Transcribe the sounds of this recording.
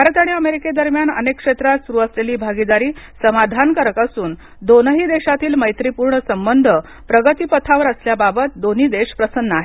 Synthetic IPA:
bʱaɾət̪aɽ̃iəmeɾiked̪əɾmjanə̰nekʂet̪ɾat̪sɾuəsleliːbʱaɡid̪aɾiːsəmad̪ʱankəɾəkəsuːn | d̪onɦiːd̪eɕat̪iːlməjt̪ɾipuːɾɳəsəmbənd̪ʱə | pɾəɡət̪iːpət̪ʰaʋəɾəsljababət̪̚d̪on̤iːd̪eɕpɾəsənːəaɦe

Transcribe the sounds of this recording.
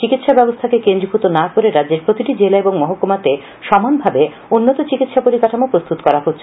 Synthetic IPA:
t͡ɕikit̪ʃabɛbost̪ʰakekend̪ɾokut̪onakoɾeɾadːd͡ʑeɾpɾot̪iʈid͡ʑelaeboŋmɔɦokːomat̪e | ʃɔmanbʱabe | unːot̪ot͡ɕikit̪ʃapoɾikaʈʰamopɾost̪ut̪kɔɾaɦotːɕʰe

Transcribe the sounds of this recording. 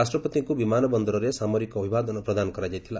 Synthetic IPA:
asʈɾɔpɔt̪iŋkubimanɔbɔnd̪ɔɾɔɾesamoɾikɔɔbʱibʱad̪nɔpɾɔd̪anɔkɔɾad͡ʒajt̪ʰila

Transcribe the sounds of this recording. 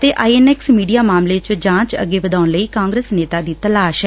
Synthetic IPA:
t̪eːʔaːiɛnɛːksmiːɖijaːmaːmleːt͡ʃd͡ʒãːt͡ʃə̰ɡeːbəd̪aːʊnləiːkãːŋɡɾeːsneːt̪aːd̪iːt̪əlaːʃɦɛː

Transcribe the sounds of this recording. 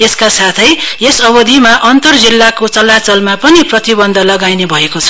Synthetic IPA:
eskasat̪ʰʌjesʌβʌd̪ʱimaʔʌnt̪ʌrd͡zilːakot͡sʌlat͡sʌlmapʌniprʌt̪ibʌnd̪ʱʌlʌɡajnebʱʌekot͡sʰʌ̥

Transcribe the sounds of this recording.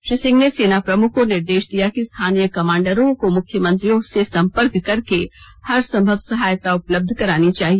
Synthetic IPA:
ʃɪsɪ̃ŋɡneseːnapɾɐmʊkʰːonɪɾd̪eːʃd̪ijakist̪ʰaːnijəkɐmãːɳɖəɾõkomʊkʰːjəmə̃nt̪ɾijõsesɐ̃mpəɾkːɐɾke | hɐɾsɐ̃mbʱəʋsɐɦaːjt̪aʊpləb̚d̪ʱkɐɾaːnit͡ʃaːɦie

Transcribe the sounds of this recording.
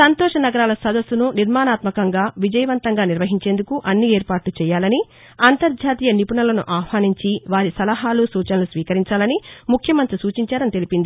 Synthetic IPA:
sɐnt̪ɔːʂɐnɐɡɐɾaːlɐsɐd̪ɐsːununiɾmaːnaːt̪mɐkɐŋɡaːʋid͡ʒɐjɐʋɐnt̪ɐŋɡaːniɾʋɐɦiɲt͡ʃe̞ːnd̪ukuʔɐnːieːɾpaːʈlut͡ʃɛːjaːlɐni | aːnt̪ɐɾd͡ʒʱaːt̪iːjɐnipuɳɐlɐnṵʔaːhaːniɲt͡ʃiʋaːɾisɐlɐɦaːlusuːt͡ʃɐnɐlusʋiːkɐɾiɲt͡ʃaːlɐnimukʰjɐmɐnt̪ɾisuːt͡ʃiɲt͡ʃaːɾɐnit̪e̞lipind̪i

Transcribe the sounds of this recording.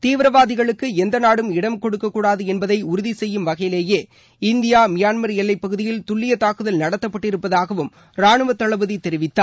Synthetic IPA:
t̪iːʋɪɾɐʋaːðɪɣɐɭɯkːɯɛnd̪ɐnaːɽɯmɪɽɐmkɔɽɯkːɐkːuːɽaːðɯɛnbɐðɐɪʊɾʊðisɛjːɯmʋɐɣɐjɪleːjeː | ɪnd̪ɪjaːmɪjaːnmɐɾɛlːɐɪpːɐɣɯðɪjɪlt̪ʊɭːɪjɐt̪ːaːkɯðɐlnɐɽɐt̪ːɐpːɐʈːɪɾɯpːɐðaːɣɐʋɯm | ɾaːɳɯʋɐt̪ːɐɭɐʋɯðit̪ːɛɾɪʋɪt̪ːaː

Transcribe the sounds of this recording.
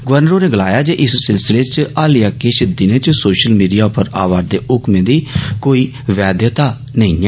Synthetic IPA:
ɡʊʋəɾnəɾoːneːɡəlaːjaːd͡ʒeːʔɪssɪlsɪleːt͡ʃaːlɪjaːkeːʃɪd̪iːneːt͡ʃsoːʃəlmiːɖijaːpʰəɾa̰ːʋaːɾd̪eːʔʊkmẽːd̪iːkoːiː | ʋɛːd̪jt̪aː | nəĩːɛ

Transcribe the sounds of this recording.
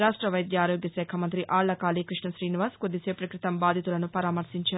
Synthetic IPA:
ɾaːʂʈɾɐʋɐjd̪jaaːɾoːɡjɐsɛːkʰɐmɐnt̪ɾiʔaːɭːɐkaːlikɾiʂɳɐʃɾiːniʋaːskod̪ːiseːpɾɐkɾit̪ɐmbaːd̪ʱit̪ulɐnupɐɾaːmɐɾsiɲt͡ʃaː

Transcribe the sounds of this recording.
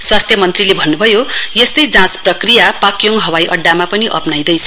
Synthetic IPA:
swast̪ʰjʌmʌnt̪rilebʱʌnːubʱʌjojʌst̪ʌjd͡zãsprʌkrijapakjoŋɦʌwajʔʌɖːamapʌniʔʌ̰pnajd̪ʌjt͡sʰʌ̥

